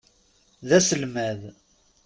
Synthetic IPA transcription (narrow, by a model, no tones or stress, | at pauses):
ðæsəlmæð